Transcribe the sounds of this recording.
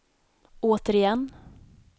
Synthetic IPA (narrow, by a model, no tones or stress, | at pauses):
oːt̪əɾɪjɛnː